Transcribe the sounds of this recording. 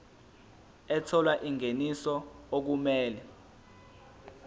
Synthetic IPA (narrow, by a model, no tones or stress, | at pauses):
ɛt͡sʰɔlwaʔiŋenisɔok̬umɛːlɛ